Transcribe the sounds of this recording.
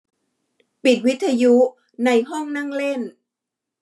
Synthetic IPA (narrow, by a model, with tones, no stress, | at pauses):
pi˨˩t̪̚wi˦˥t̪ʰːa˧ju˦˥ | na˧jɦɔ˥˩ŋna˥˩ŋle˥˩n